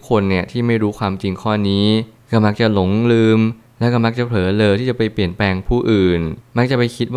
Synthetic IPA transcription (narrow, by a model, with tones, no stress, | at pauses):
kʰo˧nːi˥˩ɐt̪ʰiː˥˩ma˥˩jɾuː˦˥kʰwaː˧mt͡ɕi˧ŋkʰɔː˥˩niː˦˥kɔː˥˩ma˦˥k̚t͡ɕa˨˩lo˨˩˦ŋlɯː˧m | lɛ˦˥wkɔː˥˩ma˦˥k̚t͡ɕa˨˩pʰlɤː˩˦lɤː˧jt̪ʰiː˥˩t͡ɕa˨˩pa˧jpli˨˩ənplɛː˧ŋpʰuː˥˩ʔɯː˨˩nma˦˥k̚t͡ɕa˨˩pa˧jkʰi˦˥t̪̚w